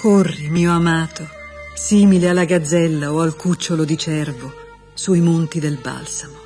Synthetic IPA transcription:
korːimiːoamaːt̪o | siːmilealːaɡad̪zɛlːaoalkut͡ʃːolod̪it͡ʃɛrvo | suimont̪id̪elba̰lsamo

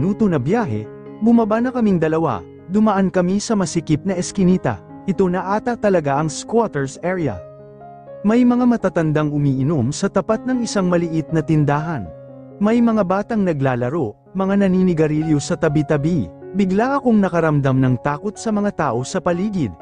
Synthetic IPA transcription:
nuːt̪onɐbjaːɦɛ̰ | bʊmabanɐkɐmiŋd̪ɐlɐwa̰ | d̪ʊmɐʔankɐmisɐmɐsɪkɪp̚nɐʔɛskɪniːt̪ɐ̰ | ʔɪt̪o̞nɐʔaːt̪ɐt̪ɐlɐɡaʔɐŋskwat̪ɛɹsɛɹɛɐ̰ | mɐjmɐŋamɐt̪at̪ɐnd̪aŋhʊmiːʔɪnomsɐt̪ɐpat̪̚nɐŋɪsaŋmɐlɪʔɪt̪̚nɐt̪ɪnd̪aːɦɐn | mɐjmɐŋabaːt̪ɐŋnɐɡlaːlɐɾo̞ʔɐmɐŋanɐniːnɪɡɐɾiljosɐt̪ɐbit̪ɐbibɪɡlaʔɐkoŋnɐkɐɾɐmd̪amnɐŋt̪aːko̞t̪̚sɐmɐŋat̪aːʔo̞sɐpɐliːɡɪd̪̚

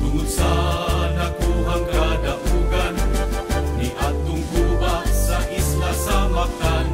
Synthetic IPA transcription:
k̪ʊnʊsanakuɦaŋkadaʔuɡan | niʔat̪ʊŋhubasaʔislasamakan

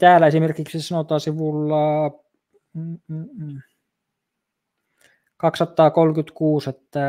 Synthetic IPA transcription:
t̪æːlæesimerkiksisɑnot̪ɑːsiʋulːɑ | kɑksɑt̪ːˑɑːkolkyt̪kuːset̪ːæ

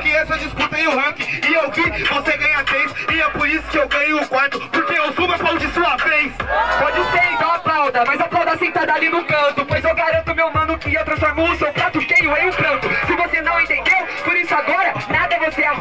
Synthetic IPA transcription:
kɪesed͡ʒisput̪ɐẽj̃ʊhɐ̃kɪɪewvivoseɡɐ̃ɲɐt̪ɾejsɪɛpʊɾisʊ̥kɪewɡɐ̃ɲʊːkwaɾt̪ʊpʊɾkeewsũmɐpõd͡ʒɪsuɐfɾejspɔd͡ʒɪseɾẽt̪ɐ̃w̃ɐplawd̪ɐmajzɐplawd̪ɐasẽt̪ad̪alinʊpɐ̃t̪ʊpojzewɡaɾɐ̃nt̪ʊmewmɐ̃nʊkɪewt̪ɾɐ̃sfoɾmoʊsewpɾat̪ʊkejʊẽj̃ʊpɾɐ̃t̪ʊsɪvosenɐ̃w̃ẽt̪ẽnd̪ewpoɾisʊaɡɔɾɐnad̪ɐɛvosea

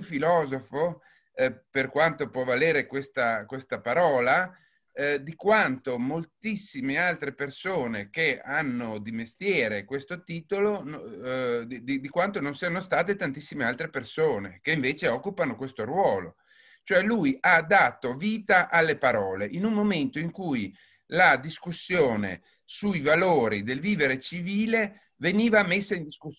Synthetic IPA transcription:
filɔːzofo | perkwant̪opwɔvaleːɾekwest̪akwest̪apaɾɔːla | d̪ikwant̪omolt̪isːimealt̪ɾepersoːnek̟eanːod̪imest̪jɛːɾekwest̪ot̪iːt̪olon | d̪id̪ikwant̪ononsianost̪aːt̪et̪ant̪isːimealt̪ɾepersoːnekeiɱveːt͡ʃeɔkːupanokwest̪oɾwɔːlo | t͡ʃoɛlujʔad̪ːaːt̪oviːt̪aʔalːepaɾɔːleʔinummoment̪oiŋkuj | lad̪iskusːjoːnḛ | sujvaloːɾid̪elviːveɾet͡ʃiviːle | veniːvamesːaind̪isku

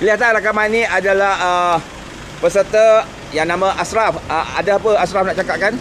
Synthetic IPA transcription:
kəliɦat̪anrakamanĩʔadalahə | pəsərt̪ə | jaŋnãmə̃ʔasɾafʔəa̰daapəasɾafnaʔt͡ʃakap̚kan

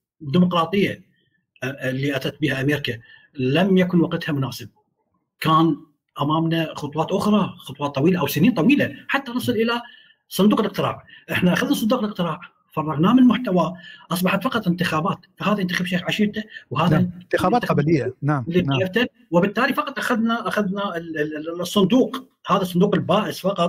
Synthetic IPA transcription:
d̪imʊqɾˤɑːt̪ˤɨjːa | lːiʔat̪at̪̚biːhaʔameːɾɪka | lamjakʊnwɑqɪt̪hamʊnaːsɪb̚ | kaːn | ʔamaːmnaxʊt̪ˤwɑːt̪ʔʊxɾˤɑxʊt̪ˤwɑːt̪ˤːɑwiːlaʔawsɪniːnt̪ˤɑwiːlaħat̪ːanɑsˤɨlʔɪla | sˤʊnd̪uːqɪlʔɪq̚t̪ɪɾɑ̰ːʕʔɪħnaʔaxaðnasˤʊnd̪uːqlɪq̚t̪ɪɾɑːʕ | fɑrˤːɑɣnaːmɪnlmʊħt̪awaʔɑsˤbɑħɑt̪fɑqɑt̪ˤlɪnt̪ɪxaːbaːt̪fahaːðijɪnt̪axabʃeːxʕaʃɪt̪awhaːðt̪ɪaːbaːt̪lɪjːanalːiaft̪an | wɪbɪt̪ːaːlifɑqɑt̪ˤʔaxaðnaʔaxaðna | sˤːʊnd̪uːq | haːðasˤːʊnd̪uːqɪlbaːʔɪsfɑqɑt̪̚ˤ

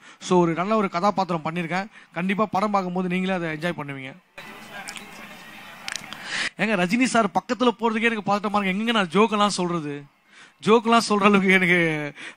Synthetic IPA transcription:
soːɔɾɯnɐlːaːɔɾɯkɐðaːpaːɾt̪ɯɾɐ̃mpɐɳːɪɾɯkːẽːkɐɳɖɪpːaːpɐɽɐmbaːkːɯmpoːðɯniːŋɡɐleːɐðɐɛɲd͡ʒaːjpɐɳːɯʋiːŋɡɐ | eːŋɡɐɾɐd͡ʒɪnisaːɾpɐkːɐt̪̬ːɪlɐpoːɾɐðɯkːɯɛnɐkːɯpaːt̪ɯʈːɐmaːɾkɡɛŋɡɛŋɡenãːd͡ʒoːkɐlːãːsɔlrɐðɯ | d͡ʒoːkɐlːãːsɔlrɾaːlʋɯk̬ːɯɛnɐkːɯ

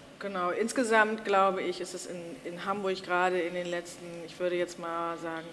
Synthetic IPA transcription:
ɡ̥ənaʊʔɪnsɡ̥əzamtɡ̥laʊbəɪçɪstɛsɪnɪnɦambʊɐçɡ̥ʁaːɾəɪndeːnlɛt͡stn̩ɪçv̥ʏɐɾəjɛt͡stmaːlzaːɡŋ̩

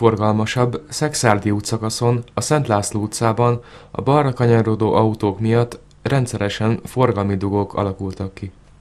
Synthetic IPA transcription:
orɡɒlmɒʃɒbːsɛksaːrd̪iuːt̪sɒkɒso̞nɒsɛnt̪laːsluːt̪saːbɒn | ɒ̰bɒrːɒkɒɲɒrod̪o̰ːʔɒut̪oːkmijɒt̪ː | rɛnt̪sɛɾɛʃɛɱfo̞rɡɒlmid̪uɡo̞kʰɒ̰lɒkult̪ɒkːi

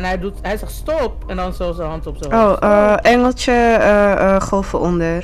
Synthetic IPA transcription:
nɦɛjdutɦɛjsɛstɔpɛndɑnsɑlˠsənɦɑntɔpsəowʔəʔɛŋəlˠt͡ʃəəχolˠfəʔɔndər

